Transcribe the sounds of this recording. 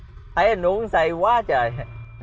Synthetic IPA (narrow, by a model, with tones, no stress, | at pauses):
ʔa˨˧˦jnu˧˦əŋsa˧jkwaː˨˦t͡ɕəː˨˩j